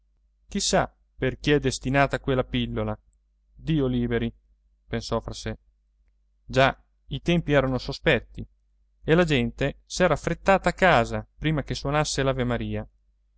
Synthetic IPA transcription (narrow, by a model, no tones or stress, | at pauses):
k̟isːa̰ | perk̟eɛd̪est̪inaːt̪akwelːapilːola | d̪iːoliːbeɾi | pensɔfɾase | d͡ʒa | it̪ɛmpiɛːɾanosospɛt̪ːi | elad͡ʒɛnt̪esɛːɾafɾet̪ːaːt̪aːkːaːzapɾiːmak̟eswonasːelavemaɾiːa